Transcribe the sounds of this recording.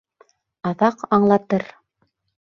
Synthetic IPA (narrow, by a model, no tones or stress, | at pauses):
ɑðɑqɑɴlˠɑt̪ɤɾ